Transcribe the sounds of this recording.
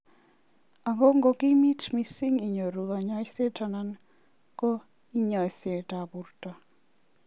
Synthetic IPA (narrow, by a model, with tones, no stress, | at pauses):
a˨ŋɡo˦ŋɡo˦ki˦mi˦tmi˦˨si˦ŋi˨ɲo˨ɾu˨ɡa˨ɲa˦jse˦ta˨na˦n | ko˦ | i˦ɲa˨se˨ta˨bu˨ɾta˨